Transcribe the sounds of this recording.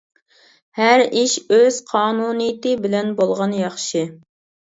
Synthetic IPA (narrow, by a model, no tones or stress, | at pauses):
hæɾiʃøz̥qʰɑːnunijit̪ɪbɪlɛnbolˠʁɑnjɑχʃɪ